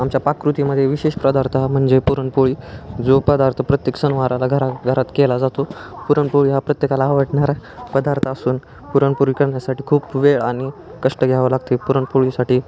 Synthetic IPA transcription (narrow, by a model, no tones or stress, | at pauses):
amt͡ɕjapakɾut̪iməd̪ʱːjeʋiɕeɕpɾəd̪aɾt̪ʰam̤əɳd͡zepuɾəɳpoɭiːd͡zopəd̪aɾt̪ʰəpɾət̪jeksənʋaɾalaɡʱəɾaɡʱəɾat̪kelad͡zat̪opuɾəɳpoɭiːɦapɾət̪jekalaːʋəʈɳaɾapəd̪aɾt̪ʰəəsuːn | puɾəɳpuɾikəɾɳjasaʈiːkʰuːpʋeɭaɽ̃i | kəʂʈəɡʱjaʋəlaɡt̪epuɾəɳpuɭisaʈiː